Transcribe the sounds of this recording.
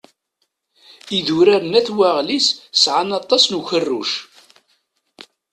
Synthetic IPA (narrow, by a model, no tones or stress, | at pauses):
iðuɾaɾənæθwaʁlissʕanɑt̪ˤːɑsnuçərːṵʃ